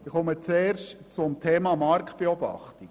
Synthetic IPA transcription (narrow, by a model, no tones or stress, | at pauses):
ɪχɔmət͡seːrʃtt͡sʊmtʰeːmɑmɑɾktb̥eɔbɑ̰χtik